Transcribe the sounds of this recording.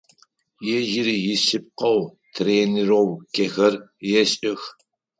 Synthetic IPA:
jɛʒɪɾijɪsɨp̚qɐw | tʰreːnɪɾowkʲʰexɐrjɛɕʼɪx

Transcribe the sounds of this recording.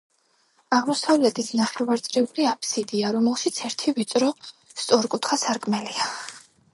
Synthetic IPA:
aʁmɔsavlɛt̪ʰisnaχɛvaɾt̪sʼɾɛuliapʰsid̪iaɾɔmɛlˠʃit̪sʰɛɾt̪ʰivit̪sʼɾɔ | st̪sʼɔɾkʼut̪ʰχasaɾkʼmɛlia

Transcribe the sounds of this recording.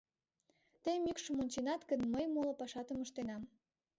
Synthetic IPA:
t̪ejmykʃəmonʲt͡ɕenɑt̪kənməjmolŏpɑʃɑt̪əməʃt̪enɑm

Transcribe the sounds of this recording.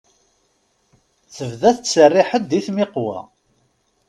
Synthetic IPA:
θəvðæθət͡sːərːɪħəd̪iθmɪqwæ̰

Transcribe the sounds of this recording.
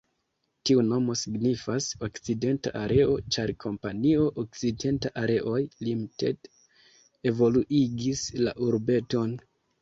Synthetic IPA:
tiuno̞mo̞siɡnifaso̞kt͡side̞nta̰ʔaɾʔe̞ʔo̞t͡ʃaɾkʰo̞mpanio̞ʔok̚t͡side̞ntaʔaɾe̞ʔo̞jlimtḛt | e̞vo̞luʔiɡisla̰ʔuɾbe̞to̞n

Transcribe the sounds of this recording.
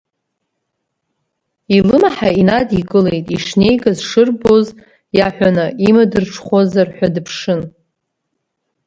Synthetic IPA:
ilɨmaħainadikʼɨlejtʼiʂne̞jɡazʂɨrboz | jaħʷᶣanɨimadɨrʈ͡ʂʰχʷozarħʷᶣadɨpʰʂɨn

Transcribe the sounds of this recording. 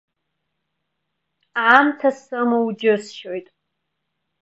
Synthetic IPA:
amtʰasɨmowd͡ʒɪsʃojtʼ

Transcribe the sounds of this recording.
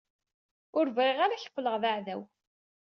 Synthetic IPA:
ʊɾvʁeʁaɾaçə̥qːləʁðaʕðæw

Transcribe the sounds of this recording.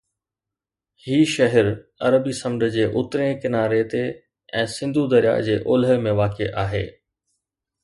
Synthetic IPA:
hiːʃɐɦəɾɐɾəbisɐ̃mɖəd͡ʑeːʔʊt̪ɾẽkɪnaːɾet̪e | ɛ̃ːsɪ̃nd̪ʱud̪ɐɾija̰ːd͡ʑeːʔoːlɦmẽʋaːkeʔaːɦḛː

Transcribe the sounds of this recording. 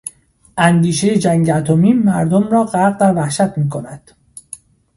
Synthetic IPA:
ʔænd̪iːʃejed͡ʒæŋɟeæt̪ʰomiːmæɾd̪omrɒːɢæɾɣvævæhʃæt̪ʰmiːkʰonæd̪̥

